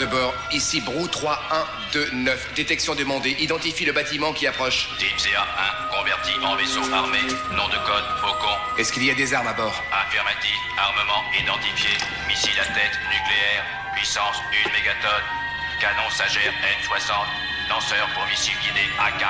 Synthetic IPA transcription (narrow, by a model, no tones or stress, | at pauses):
əbɔʁ | isibʁut̪χwaɛ̃ | d̪ønœfd̪et̪ɛksjɔ̃d̪əmɑ̃d̪eʔid̪ɑ̃t̪ifiləbat̪imɑ̃kʲiapχɔʃd̪ipzeaɛ̃kɔ̃vɛʁt̪iʔɑ̰̃vesoaʁmenɔ̃d̪əkɔd̪fokɔ̃ | ɛskiliad̪ezaʁmabɔːʁafiʁmat̪ifaʁməmɑ̃id̪ɑ̃t̪ifje | misilat̪ɛt̪nykleɛʁ | pɥisɑ̃synmeɡat̪ɔn | kanɔ̃saʒɛʁɛfswasɑ̃t̪̚ | lɑ̃sœʁpuʁmisilɡʲid̪eaka